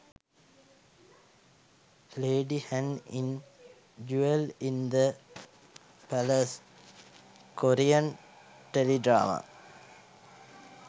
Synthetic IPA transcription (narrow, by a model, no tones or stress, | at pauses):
leːɖihænin | d͡ʒuelind̪ə | pæləs | koɾijan | ʈeliɖɾa̰ːma̰